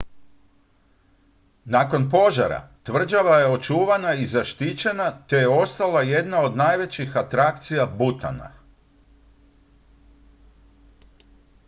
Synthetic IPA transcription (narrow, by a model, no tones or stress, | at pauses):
nako̞np̬o̞ʒa̰ɾa̰t̪ʋr̩d͡ʒaʋaje̞o̞t͡ʃuːʋanaizaʃt̪it͡ɕe̞nat̪e̞je̞o̞st̪alˠaje̞d̪nao̞d̪najʋe̞t͡ɕixat̪ɾakt̪sijabut̪a̰na̰